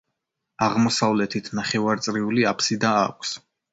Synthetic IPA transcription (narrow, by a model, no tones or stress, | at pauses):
aʁmɔsavlɛt̪ʰit̪ʰnaχɛvaɾt̪sʼɾiuliapʰsid̪aa̰kʷʰs